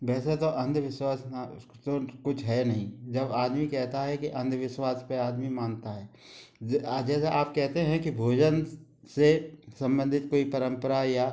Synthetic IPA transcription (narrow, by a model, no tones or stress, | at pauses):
ʋɛːset̪oʔɐ̃nd̪ʱʋɪʃwaːsna | t̪okʊt͡ʃʰɦɛnɐɦĩd͡ʒɐbaːd̪mikɛɦt̪aɦɛkiʔɐ̃nd̪ʋɪʃwaːspeaːd̪mimaːnt̪aɦɛː | d͡ʒɛːseʔaːp̚kɛɦt̪eɦɛ̃kibʱoːd͡ʒən | sesɐ̃mbə̃nd̪ʱɪt̪̚koːipɐɾə̃mpəɾaja